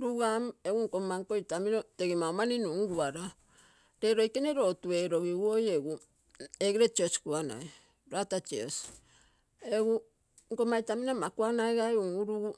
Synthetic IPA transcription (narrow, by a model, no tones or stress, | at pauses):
ɾuɡameɡuŋkomaŋkojtaminoteɡimaomaninuŋɡuaɾa | ɾeɾojkeneɾo̞tueɾoɡiɡuojeɡu | eɡiɾet͡ʃiosi̥kuana̰j | ɾatat͡ʃios | eɡu | ŋkomajtaminomakuanaeɡaeuŋuɾuɡu